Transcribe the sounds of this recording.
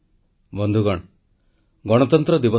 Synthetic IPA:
bɔnd̪ʱuɡɔɽ | ɡɔɽ̃ɔt̪ɔnt̪ɾɔd̪ibɔ

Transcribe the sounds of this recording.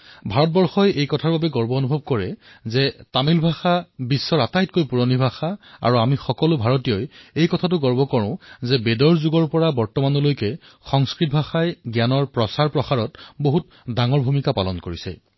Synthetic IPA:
bʱaɹɔt̚bɔɹxɔjejkɔtʰaɹbabɛɡɔɹbɔonubʱɔb̚kɔɹɛzɛtamilbʱaxabisːɔɹatajtkojpuɹonibʱaxaa̰ɹuamixɔkɔlʊbʱaɹɔtijɔjejkɔtʰat̬ʊɡɔɹbɔkɔɹʊ̃zɛbedɔɹzuɡɔɹpɔɹabɔɹtɔmanɔlojkɛ | xɔŋskɹit̚bʱaxajɡjanɔɹpɹɔsaɹpɹɔxaɹɔtboɦut | daŋɔɹbʱumikapalɔnkoɹisɛ̰

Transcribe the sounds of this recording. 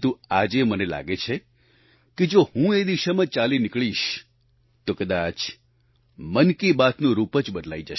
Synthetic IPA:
t̪ũad͡ʒemənela̰ɡet͡ʃʰe | ked͡ʒohũed̪iʃamãt͡ʃalinɪkɭiʃ | t̪okəd̪at͡ʃ | mənkibat̪nũɾupət͡ʃbəd̪la̰id͡ʒəʃ

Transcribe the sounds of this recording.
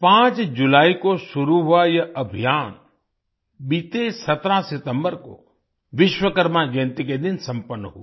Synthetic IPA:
pãːt͡ʃd͡ʒulaːikosʊɾuɦʊajɐʔɐbʱijaːn | ɓiːt̪esɐt̪ɾãsɪt̪ə̃mbəɾko̰ | ʋɪʃwəkəɾmãd͡ʒẽnt̪ikẽd̪ɪnsɐ̃mpənːəɦṵ

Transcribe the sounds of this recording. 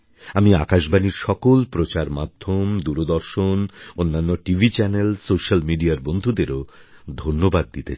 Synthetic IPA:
amiakaʃbaniɾʃɔkolpɾot͡ɕaɾmad̪ʱːomd̪uɾod̪ɔɾʃononːanːoʈivʱit͡ɕɛnelsoʃalmiɖiaɾbond̪ʱud̪eɾod̪ʱonːobad̪̚ːit̪et͡ɕʰ

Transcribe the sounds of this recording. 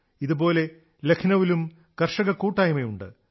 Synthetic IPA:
iðubo̞ːle̞ | le̞kʰnɐʋilum | kɐrʂɐɣɐkuːʈːaːjimɐjuɳɖɨ̰

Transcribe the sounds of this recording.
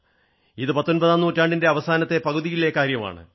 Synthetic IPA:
iðɨpɐt̪ːo̞nbɐðaːnːuːtːaːɳɖinde̞ɐʋɐsaːnɐt̪ːe̞pɐɣuðijile̞ːkːaːɾjɐma̰ːɳɨ̰

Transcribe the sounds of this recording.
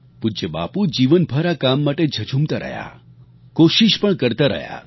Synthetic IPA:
pud͡ʒəba̰pud͡ʒiʋənbʱəɾakamːaʈed͡ʒʱət͡ʃʰumt̪aɾə̰ɦja̰ | koʃiʃpəɳkəɾt̪aɾə̰ja̰

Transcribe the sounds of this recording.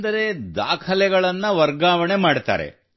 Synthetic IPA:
d̪ɐɾe̞d̪aːkʰɐlɛɡɐɭɐnːɐʋɐɾɡaːʋɐɳemaːɖt̪a̰ːɾḛ

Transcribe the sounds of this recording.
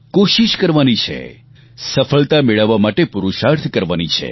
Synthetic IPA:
koʃiʃkəɾʋanit͡ʃʰḛ | səfəɭt̪ameɭəʋːamaʈepuɾuʃaɾt̪ʰkəɾʋanit͡ʃʰḛ

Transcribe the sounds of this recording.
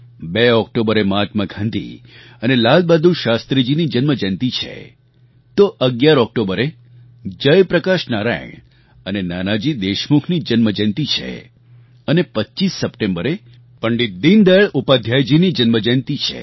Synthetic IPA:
beɔk̚ʈobəɾemad͡ʒmaɡʱãnd̪ʱḭ | ənelalbad̪ʱũʃast̪ɾid͡ʒinid͡ʒənməd͡ʒənt̪it͡ʃʰḛ | t̪oʔəɡjaɾɔk̚ʈobəɾe | d͡ʒəjpɾəkaʃnaɾa̰jə̰ɳ̃ | ənenanad͡ʒid̪eʃmukʰnid͡ʒənməd͡ʒənt̪it͡ʃʰḛ | ənepətːt͡ʃisːəpʈẽmbəɾe | pəɳɖit̪̚d̪ind̪əɭupad̪ʱjajd͡ʒinid͡ʒənməd͡ʒənt̪it͡ʃʰḛ

